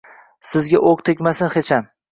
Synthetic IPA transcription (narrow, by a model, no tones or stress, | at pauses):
sɪzɡʲaʔoqt̪ʰekʲmasɪnχet͡ʃʰam